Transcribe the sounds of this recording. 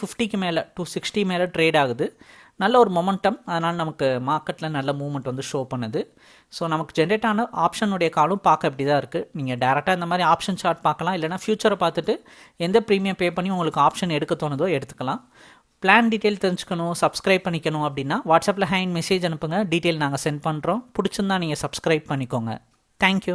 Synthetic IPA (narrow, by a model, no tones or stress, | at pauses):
fɪfʈikːɯmeːlɐʈuːsɪksʈimeːlɐʈɾeːɖaːɣɯðɯnɐlːɐɔɾɯmɔmɛɳʈːɐmɐðɐnaːlɐnɐmɐkːɯmaːɾkɐʈːlɐnɐlːɐmuːmɐɳʈʋɐnd̪ɯʂoːpɐɳːɐðɯ | soːnɐmɐkːɯd͡ʒɛnɾeːʈːaːnɐʔaːpʂɐnɯɽɐjɐkaːlɯ̃mpaːɾkːɐ̃ɛpːɐʈɪt̪ãːɪɾɯkːɯniːŋɡɐɖɐɪɾɛk̚ʈaːɪnd̪ɐmaːd̪ɾiaːpʂɐnt͡ʃaːɾʈ̚paːɾkɐlãːɪlːɐnːaːfjuːt͡ʃɐɾpaːɾt̪ɯʈːɯ | ɛnd̪ɐpɪɾiːmɪjɐpeːpɐɳːiʊŋɡɐɭɯkːɯaːpʂɐnɛɽɯkːɐt̪ːoːnɐðoːɛɽɯt̪ːɯ̥kːɐlãː | plaːnɖiʈeːlt̪ɛɾɪɲd͡ʒɯ̥kːɐɳʊ̃sɐbskɾɐɪb̚pːɐɳːɪkʲːɐɳʊ̃ɐpːɐɽɪnːaːʋaːʈsɐːp̬ːlɐɦɐɪnmɛseːd͡ʒɛnɯpːɯŋɡɐɖiːʈeːlnaːŋɡɐsɛnɖpɐɳɾõːpʊɽɪt͡ʃːɯnd̪ãːniːŋɡɐsɐbskɾɐɪb̚pɐɳːɪkːoːŋɡɐ̰ | t̪ʰɛːŋkju